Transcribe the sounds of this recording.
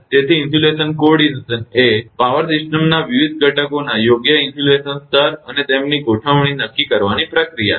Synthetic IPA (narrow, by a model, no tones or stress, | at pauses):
t̪et̪ʰiːnsulesənkoɖinsənepaʋəɾsɪʃʈəmnaʋiʋid̪̚ʱɡəʈəkonajoɡjəɪnsulesənst̪ʰəɾənet̪emniɡoʈʰəʋɽ̃inəkːikəɾʋanipɾəkɾija̰